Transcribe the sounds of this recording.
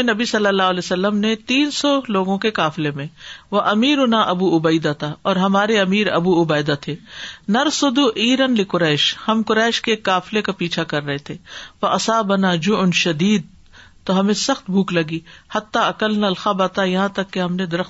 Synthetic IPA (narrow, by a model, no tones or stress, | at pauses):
enɐbisɐlːəlːaːɦleːsɐlːəmnet̪iːnsɔloːɡõkekaːflemẽʋɐʔɐmiːɾʊnaʔɐbuːʊbɐɪd̪at̪ʰaɔːɾɦɐmaːɾeɐmiːɾɐ̰buʊbɐːjd̪at̪ʰeːnɐɾsʊd̪uʔiːɾənlɪkʊɾɛːʃhɐmkʊɾɛːʃkekːaːflekapiːt͡ʃʰakɐɾːɐɦet̪ʰeːʋɐʔɐsaːbɐnaːd͡ʒʊʊnʃɐd̪iːd̪̚ | t̪oɦɐmẽsɐxt̪̚bʱuːklɐɡiːhɐt̪ːaɐkəlnɐlxabaːt̪ajɐɦãt̪ɐkːeɦɐmned̪ɐɾəxt̪